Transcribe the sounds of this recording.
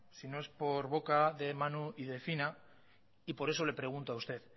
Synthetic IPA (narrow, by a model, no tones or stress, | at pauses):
sino̞e̞spo̞ɾβo̞kaðe̞manuið̞e̞fina | ipo̞ɾe̞so̞le̞pɾe̞ɣ̞unt̪oaust̪e̞ð